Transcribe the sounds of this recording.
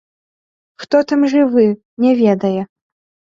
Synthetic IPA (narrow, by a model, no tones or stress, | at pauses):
xt̪ɔt̪amʐɨvɨ | nʲɛvʲɛd̪ɐjɛ